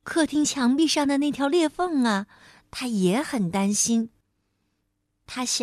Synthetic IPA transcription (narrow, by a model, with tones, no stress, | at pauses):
kʰɤ˥˩t̪ʰi˥ŋt͡ɕʰjɑ˧˥ŋpi˥˧ʂɑ˥˩ŋd̪ə˩na˥˩ɪt̪ʰjɑ˧˥ljɛ˥˧fɤ˥˩ŋɐ˩ | t̪ʰa˥jɛ˧˥xə˨˩nt̪a˥nɕi˥n | t̪ʰa˥ɕ